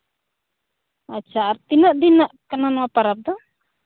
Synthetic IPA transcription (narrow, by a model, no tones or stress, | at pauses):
atːt͡ʃʰaːɾt̪inaʔd̪inaʔkananɔwapaɾap̚d̪ɔ